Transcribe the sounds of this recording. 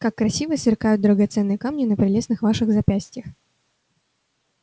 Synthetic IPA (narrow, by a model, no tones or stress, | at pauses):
kakːɾɐsʲivəsvʲɪrkajʊt̪̚d̪ɾəɡɐt̪sɛnːɨjəkamnʲɪnəpɾʲɪlʲe̞snɨxvaʂɨɣzɐpʲæsʲtʲɪjəx